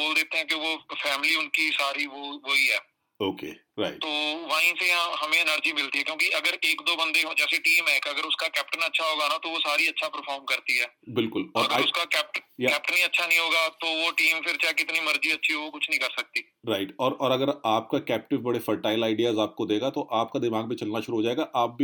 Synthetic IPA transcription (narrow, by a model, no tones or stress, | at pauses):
boːld̪eːt̪eɦɛ̃k̬eʋofʰɛːmɪliʊnkisaːɾiʋoʋoːiɦɛː | oːkḛ | ɾaɪʈt̪oːʋaɦĩseãɦɐmẽɪnəɾd͡ʒimɪlt̪iɦɛkjõːkiʔɐɡəɾeːkd̪oːbə̃nd̪eɦd͡ʒɛːseʈiːmɦɛkɐɡəɾʊskakɛːp̚ʈənɐtːʃʰaɦoːɡanat̪oʋosaːɾiɐtːʃʰapəɾfʰɔːɾmkɐɾt̪iɦɛː | bɪlkʊlɔːɾɐaʊskakɛːp̚ʈjakɛːpʈənĩɐtːʃʰanɐɦĩɦoːɡat̪oːʋoʈiːmpʰɪɾt͡ʃaːɦekɪt̪nimɐɾd͡ʒiɐtːʃʰiɦookʊt͡ʃʰnə̃ĩkɐɾsɐk̚t̪iː | ɾaɪʈɔːɾɔːɾɐɡəɾaːp̚kakɛːp̚ʈɪʋbɐɽefɐɾʈaːɪlaːɪɖijaːzaːp̚kod̪eːɡat̪oʔaːp̚kad̪ɪmaːɡ̚bʱit͡ʃɐlnaʃʊɾuɦod͡ʒaːeːɡaʔaːp̚bʱi